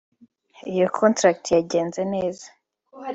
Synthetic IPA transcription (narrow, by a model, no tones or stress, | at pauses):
ijokʰontɾak̚tjaɟe̞ːnzene̞ːza